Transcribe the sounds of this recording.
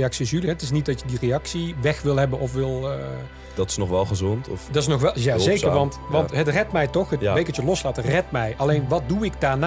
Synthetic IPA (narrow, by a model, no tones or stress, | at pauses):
jɑksisjylɦɛtɪs̬nit̚dɑtjədirejɑksiʋɛxʋɪlˠɦɛbənɔfʋɪlˠ | dɑtɪ̥snɔχʋɛlˠχəzɔntʰɔ̰fdɑtɪsnɔxʋɛjaejkəɹʋɑntʋɑntɦətrɛtmɛjtɔxətbejkətəlɔslaːtərɛt̚mɛjʔɑlejnʋɑt̚duɪɡdaːɹna